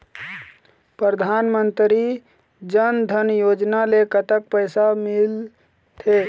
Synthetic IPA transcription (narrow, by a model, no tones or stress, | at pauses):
pɾəd̪ʱanmənt̪ɾi | d͡ʒənd̪ʱənjod͡ʒnalekət̪ək̚pəɪsamil | t̪ʰe